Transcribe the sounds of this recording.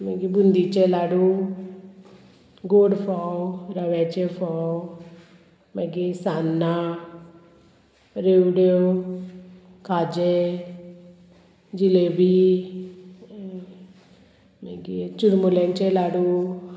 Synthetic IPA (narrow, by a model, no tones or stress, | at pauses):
meɡibund̪it͡ʃɛlaːɽu | ɡoːɖpʰawɾɐʋet͡ʃepʰa | meɡisanːa | ɾewɖo | kaːd͡ʒe | d͡ʒilebi | meɡit͡ʃuɾmuleŋt͡ʃɛlaːɽu